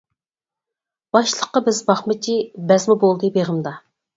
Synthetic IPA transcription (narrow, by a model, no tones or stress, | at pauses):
b̥ɑʃlˠəqːɑbɪzbɑχmɪt͡ʃʲʰibɛzmubolˠd̪ɨbeʁəmd̪ɑ